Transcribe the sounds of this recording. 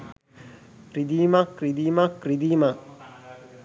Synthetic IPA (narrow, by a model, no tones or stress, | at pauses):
kɾid̪iːmakrid̪iːmakɾid̪iːma